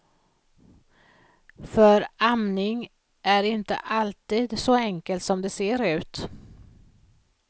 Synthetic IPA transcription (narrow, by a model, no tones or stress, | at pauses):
fœɾamnɪŋ | ʔæɾɪnt̪ə̰ʔalt̪iːd̪sɔɛŋkəlt̪sɔmd̪ɛseːɾʉ̟ːt̪